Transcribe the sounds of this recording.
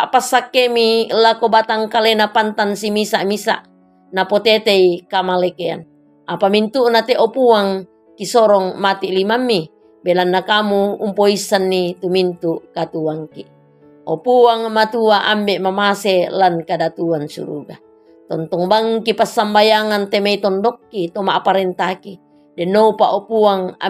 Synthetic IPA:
aʔpasːakːemilakobat̪aŋkalenapant̪ansimisaʔmisa̰ʔ | napot̪et̪eikamalekea̰n | apamint̪uʔnat̪eʔopuaŋ | kisoɾɔŋmat̪iʔlimamːi | belanːakamuumpoisːanːit̪umint̪uʔkat̪uaŋki | opuaŋmat̪uaʔambeʔmamaselankadat̪uansṵɾṵɡa | t̪ɔnt̪ɔŋbaŋkipasːambajaŋant̪emait̪ɔndɔkːit̪omaʔpaɾent̪aki | dɛnːoupaʔopuaŋa̰

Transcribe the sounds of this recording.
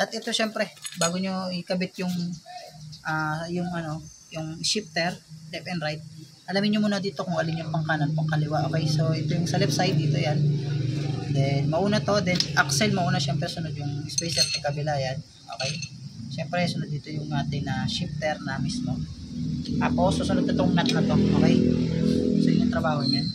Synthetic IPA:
ʔɐt̪ʔɛt̪o̞ʃɛmpɾɛbaːɡoɲo̞ɪkɐbɪt̪̚jʊŋ | ʔaːjʊŋʔɐno̞ | jʊŋʃɪp̚t̪ɛɾlɛpɛnd̪ɾajt̪̚ | ʔɐlamɪnɲːomuːnɐd̪iːt̪o̞kʊŋɐlɪmjʊŋpɐŋkaːnɐnpɐŋkɐlɪwaʔo̞ːkɛjso̞ʔɛt̪ojʊŋsɐlɛp̚sajd̪̚iːt̪o̞jan | d̪ɛnmɐʔuːnɐt̪o̞d̪ɛnʔɐksɛlmɐʔuːnɐʃɛmpɾɛsʊnod̪̚jʊŋspɛjsɛt̚k̪ɐɡkːɐbɪlaːjɐn | ʔo̞ːkɛj | ʃɛmpɾɛsʊnod̪̚ːiːt̪o̞jʊŋʔaːt̪ɪŋnɐʃip̚t̪ɛɾnɐmismo | t̪aːpo̞sːosʊnod̪ɐt̪oŋnɐt̪̚kɐt̪o̞ʔo̰ːkɛj | sod̪ʊŋt̪ɾɐbaːho̞ɲan

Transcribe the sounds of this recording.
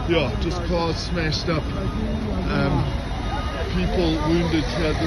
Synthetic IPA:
jæd̥d͡ʒʌskʰɑdsmæʃtʌp | ʌ̃m | pʰiˑpl̩ˠwʉ̃ndɨd̚tʰɛðə

